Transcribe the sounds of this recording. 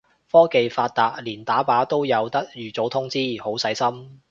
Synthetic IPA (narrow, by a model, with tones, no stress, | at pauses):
fɔː˥ke˨jfaː˧t̚t̪aː˨˧k̚liː˨˩nt̪aː˨˥paː˨˥t̪o˥wjɐ˨˧wt̪ɐ˥k̚jyː˨t͡so˨˥wt̪ʰʊ˥ŋt͡siː˥ho˨˥wsɐ˨˥jsɐ˥m